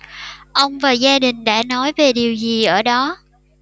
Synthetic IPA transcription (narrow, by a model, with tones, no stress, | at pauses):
ʔə˧wŋ͡mvaː˨˩zaː˧ɗï˨˩ŋ̟ɗa̰ː˧˥nɔ˨˦jve˨˩ɗi˨˩əwzi˨˩ʔəː˧˩ɗɔ˨˦